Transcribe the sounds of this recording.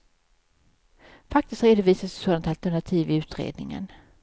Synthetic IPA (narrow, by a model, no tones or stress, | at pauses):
fakt̪ɪst̪ɾeːd̪ʊviːsassoːd̪ant̪alt̪æɳat̪ʰiːvɪʉ̟ːt̪ɾḛːd̪nɪ̰ŋə̰n